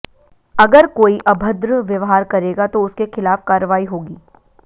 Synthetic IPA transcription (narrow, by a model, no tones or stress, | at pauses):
ɐɡəɾkoːiʔɐbʱəd̪ɾʋjɐʋɦaːɾkɐɾeːɡat̪oʊskexɪlaːfkaːɾəʋaːiɦoːɡiː